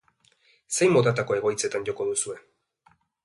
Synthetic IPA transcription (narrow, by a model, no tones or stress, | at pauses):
se̞jmo̞t̪at̪̬ako̞e̞ɣ̞o̞jt͡se̞t̪anʝo̞ko̞ðusue̞